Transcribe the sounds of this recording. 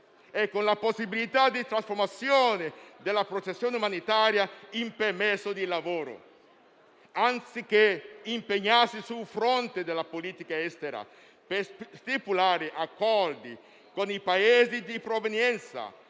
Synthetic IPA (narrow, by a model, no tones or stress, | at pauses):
ɛkːonlaposːibilit̪ad̪it̪ɾasfoɾmat̪sːjoːned̪elːapɾot͡ʃesːjoːneumanit̪aːɾjaimpemɛsːod̪ilavoːɾo̰ | ant̪sik̟eimpeɲːasisulfɾont̪ed̪elːapoliːt̪ikaɛst̪eɾa̰ | pest̪ipulaːɾɪʔakːɔrd̪i | konipaeːzid̪ipɾovenjɛnt̪sa̰